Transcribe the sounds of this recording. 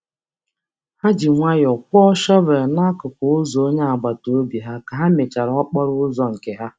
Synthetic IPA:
ha˦d͡ʒi˨ŋʷa˦jɔ˨kʷʊ˦ɔ˦ʃɔ˦be˨ɾna˦a˦kʊ˨kʊ˨ʊ˦zo˨o˦ɲe˦a˨ba˨to˨o˦bi˨ɦa˦ka˨ɦa˦me˨t͡ʃa˨ɾɔ˦k͡pɔ˦ɾʊ˦ʊ˦zɔ˨ŋ̩˨ke˨ɦa˦

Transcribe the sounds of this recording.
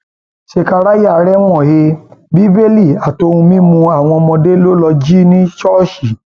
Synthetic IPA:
ʃe˧ka˧ɾa˦ja˦˨˦ɾɛ˦w̃ɔ̃˦˨he˧bi˨˦be˦li˦˨a˨to˧hũ˧mĩ˦mũ˧a˦˨w̃ɔ̃˧mɔ̃˧de˦lo˦lɔ˧d͡ʒi˦nĩ˦t͡ʃɔ˦˨ʃi˨

